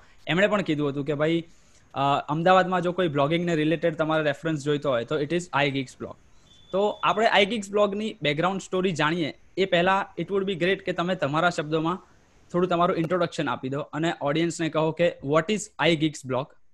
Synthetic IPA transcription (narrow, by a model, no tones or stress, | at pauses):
emɽ̃epəɳkid̪ũɦət̪̬ũk̬ebʱai | əmd̪aʋad̪mãd͡ʒokoiblɔɡɪ̃ŋɡneɾɪleʈeɖt̪əmaɾeɾefɾəns̬d͡ʒojt̪oɦojt̪oɪʈɪzajɡiɡsblɔ̰k | t̪oapɽ̃eʔajɡiɡsblɔɡnibɛɡɾaʊ̃ɳɖsʈoɾid͡ʒaɽ̃ie | epɛɦɛlaɪʈʋʊɖbiɡɾeʈket̪əmet̪əmaɾaʃəb̚d̪omã | t̪ʰoɽũt̪əmaɾũɪ̃ɳʈɾoɽəkʃəna̰pid̪oʔəneʔɔɽijənsnekəɦokeʋɔʈɪzajɡiɡsblɔk